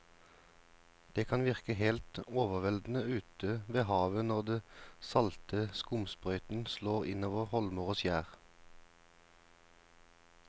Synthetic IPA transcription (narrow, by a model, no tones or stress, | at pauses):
d̪̥eːkʰɑnʋɪʁkəhelt̪oːʋəʁʋɛld̪n̩əʉːt̪ʰəʋeːhɑːʋənɔʁd̪eːsɑlt̪ʰəskʊmspʁœʏt̪n̩sloːʁɪ̰noːʋəʁhɔlmoʁoːsjæːʁ